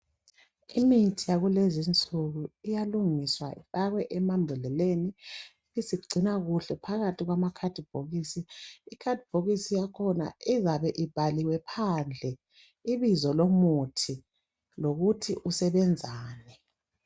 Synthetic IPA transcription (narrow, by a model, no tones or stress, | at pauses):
imitʰijaɣulezint͡sʼuɣuijaluŋiswa̰ɸaɣwɛʔɛmambʱulɛleni | isiɡ͡ǀʱinaɣuɬɛpʰaɣatʰiɣwamakʰad̥ʱib̥ʱoɣisiikʰadʱib̥ʱoɣisijakʰɔna̰izaβɛʔib̥ʱaliwɛpʰand͡ɮʱɛ | iβizɔlomutʰi | loɣutʰiʔusɛβɛnd͡zʱaːnɛ